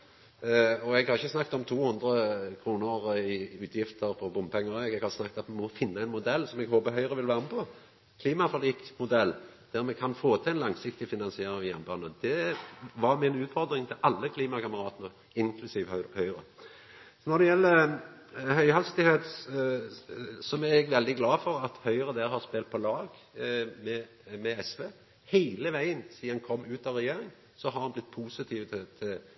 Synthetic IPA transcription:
ɔɛɡhɑɾɪçːəsnɑkːt̪ɔmt̪ʰuːhʊnd̪ʁəkʰʁuːnəʁɪʉːt̪ʰjɪft̪ʰəʁpʰɔbʊmpʰɛŋːəɛɡɛɡhɑʁsnɑkːt̪ɑt̪mɛmɔfɪnːəæɪnmʊd̪ɛlːsɔmɛɡhoːbəɦœʏʁəʋɪlʋæːʁənəpʰɔ | kʰliːmɑfɔliːk̪mʊd̪ɛlːd̪̥æʁmɛkʰɑnfoːt̪ʰɑɛnlɑŋsɪkt̪ɪfɪnɑnsɪeːɾɪŋjæʁnbɑnəd̪̥ɛʋɑɾmɪnʉːt̪fɔɾd̪ɾɪŋt̪ʰɪlʔɑlːəkʰliːmɑkʰɑməʁɑːt̪ənə | ɪŋkʰlʉsiːʋhœʏɾə | nɔd̪ɛjɛlːə | hœʏhɛlst̪ɪheːt̪ | sɔmæʁɛɡʋɛld̪ɪɡlɑːfɔɾɑt̪hœʏɾəd̪æɾhɑʁspeːlt̪̚pʰɔlɑːɡ | mɛ | mɛɛsʋeː | hæɪləʋæɪənsiːɑnkʰɔmːʉːt̪ɑʋɾɛjeːɾɪŋ | sɔɦɑɾɑnblɪt̪̚ːpʰuːsɪt̪ʰiːʋət̪ʰɪ

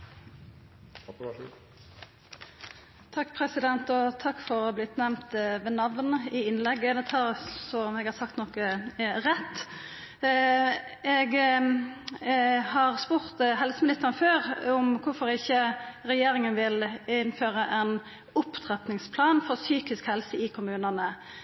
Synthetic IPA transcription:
t̪ʰɑkːpʰɾɛsɪd̪ɛnt̪ɔt̪ʰɑkːfɔɾblɪt̪nɛʋmmt̪ʋɛnɑʋnəɪɪnlɛɡːəd̪ɛt̪ʰɑːɾsɔmɛɡhɑːʁsɑkt̪nɔkəɾɛt̪ː | ɛɡ | hɑʁspʊʁt̪ɦɛlsəmɪnɪst̪əʁənføːʁʊmkʰʊfɔɾɪçːəʁɛjeːɾɪŋənʋɪlɪnføːʁəʔɛn | ʊpt̪ʰʁɛt̪nɪŋspʰlɑːnfɔʁsyːkɪskhɛlsəɪkʰʊmʉːnənə

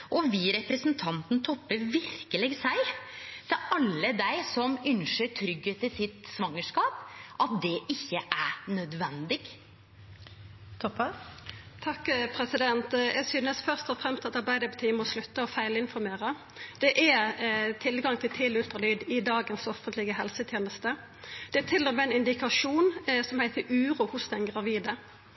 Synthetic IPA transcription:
ʔɔʋiːɾɛpɾəsnt̪ʰɑnt̪n̩t̪ʰɔpːəɾʋɪɾkəlɛɡsæɪt̪ʰɛʔɑlːəd̪æɪsɔmʏnʃəʈʰɾʏɡheːt̪ɪsɪt̪sʋɑŋːəʂkɑːpʔɑt̪̚d̪ɛʔɪçːəʔæɾnœd̪ʋɛnd̪ɪɡ | t̪ʰɔpɑt̪ʰɑkːpʰɾɛsɪd̪ɛnt̪jʔæɡsyːnəsfœʁst̪ɔfʁɛmst̪ɑt̪ɑɾbæɪd̪əpɔt̪ʰiːmɔslʉt̪ːəɔfæɪlɪnfɔɾmeːɾə | d̪̥ɛʔæt̪ʰɪlɡɑŋt̪ʰɪlt̪ʰɪlʉlt̪ʁəlyːd̪ɪd̪ɑːɡənsɔfənt̪lɪɡəɦɛlsət̪ʰjeːnəst̪ə | d̪̥ɛːt̪ʰɪlːɔmɛɪnɪnd̪ɪkɑʂuːnsɔmhæɪt̪əɾʉːɾuːhʊsd̪ɛnɡʁɑʋiːd̪ə

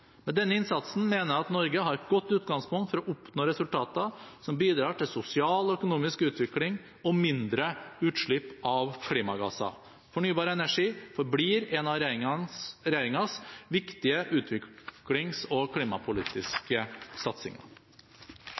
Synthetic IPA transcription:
mɛd̪ɛnːəɪnsɑt̪sn̩meːnəɑt̪nɔɾɡəɦɑɾt̪ɡɔt̪ːʉːt̪ɡɑŋspʰʊŋt̪fɔɾɔʔʊpnoːɾɛsʉlt̪ʰɑːt̪əsɔmbiːd̪ɾɑːʈɪlsʊsɪɑːlɔœkʊnuːmɪskʉːt̪ʋɪklɪŋ | ɔmɪnd̪ɾəʉːt̪ʂɭɪpːɑʋkʰliːmɑɡɑ̰sɑ̰ | fɔɳyːbɑːɾəɛnæʂiːfɔɾbliːɾɛnɑɾ | ɾɛjeːɾɪŋɑsʋɪkt̪ɪəʔʉːt̪ʰʋɪklɪŋsɔkʰliːmɑpʰʊliːt̪ɪskəsɑt̪sɪ̰ŋɑ̰

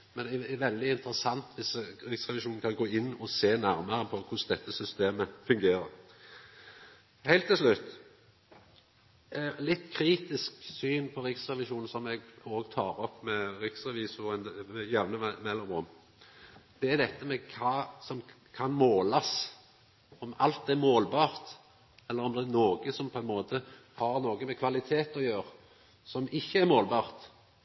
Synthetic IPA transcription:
mɛnd̪ʋɛld̪ɪɪnt̪əɾəsɑnt̪ʰʋɪsɾɪksʁɛʋɪʃuːn̩kʰɑnɡoːɪnːɔseːnæɾməɾəpʰɔkʰʊsd̪ɛt̪ːəsʏst̪eːməfʉŋɡeːɾəɾ | hæɪlt̪ːɪlslʉt̪ː | lɪt̪ːkʰɾiːt̪ɪsksyːnpʰɔɾɪksʁɛʋɪʃuːnn̩sɔmɛɡoːɡt̪ʰɑːɾɔpːmɛɾɪksʁɛʋiːsʊɛnmɛjɛʋnəmɛlːɔmʊm | d̪̥ɛæɾd̪ɛt̪ːəmɛkʰɑːsɔm | kʰɑnmoːlɑs | ɔmɑlt̪ɛmoːlbɑːʁt̪ | ɛlːəʁɔmd̪ɛæɾnoːɡəsɔmpʰɔɛnmoːt̪ə | hɑʁnoːɡəmɛkʰʋɑlɪt̪ʰeːt̪ɔjøːʁ | sɔmɪçːəæɾmoːlbɑːʁt̪

